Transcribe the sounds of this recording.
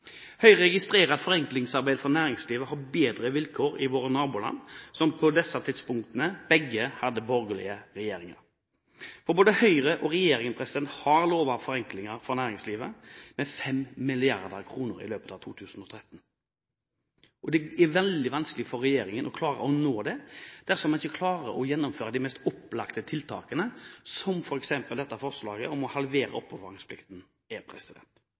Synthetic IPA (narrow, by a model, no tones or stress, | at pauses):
hœʏɾɛɡɪst̪ɾeːɾɑt̪fɔɾɛŋklɪŋsɑɾbæɪd̪fɔʁnæːɾɪŋsliːʋəhɑɾbeːd̪ɾəʋɪlkʰoːɾɪʋoːɾənɑːbʊlɑ̰nːsɔmpʰɔd̪ɛsːɑt̪ʰɪt̪spʊŋkt̪ənəb̥ɛɡːəhɑd̪ːəbɔɾɡəlɪ̰əɾɛjeːɾɪŋɑ̰ɾ | fɔɾboːd̪əhœʏɾəʔɔɾɛjeːɾɪŋənpʰɾɛsɪd̪ɛnt̪hɑɾloːʋɑʋfɔɾɛŋklɪŋəɾfɔɾnæːɾɪŋsliːʋəmɛfɛmmɪlɪɑɾd̪əɾkʰɾuːnəɾɪ̰løːpət̪ɑʋt̪ʰuːt̪ʰʉːsn̩ɔt̪ʰɾɛt̪ːn | ʔɔd̪ɛɛʋɛld̪ɪʋɑnskəlɪfɔɾɛjeːɾɪŋənɔkʰlɑːɾə̰ʔɔnoːd̪ɛd̪̥æɾfɔmɑnɪçːəkʰlɑːɾə̰ʔɔjɛnːʊmføːɾʁəd̪ɪmɛst̪ɔpːlɑkt̪ət̪ʰɪlt̪ʰɑ̰ːkənəsɔmfɔɾɛksɛmpəld̪ɛt̪ːəɑfɔʁslɑːɡəɔmɔhɑlʋeːɾə̰ɔpːɔʋɑɪŋspʰlɪ̰kt̪n | ɛpʰɾɛ̰sɪd̪ɛ̰nt̪